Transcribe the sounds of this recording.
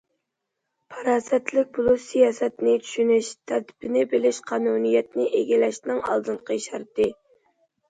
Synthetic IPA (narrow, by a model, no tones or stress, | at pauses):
pʰɑɾɑːsɛt̪lɪk̚ʲbʊlˠusijɑːsɛt̪nɪt͡ʃʰy̥ʃynɪʃt̪ʰæɾt̪ʰɪ̥pɪnɪbɪlɪʃqʰɑːnunijɛt̪nɪʔeɡʲilɛʃnɪŋɑ̰lˠd̪ɨnqʰəʃɑɾt̪ɨ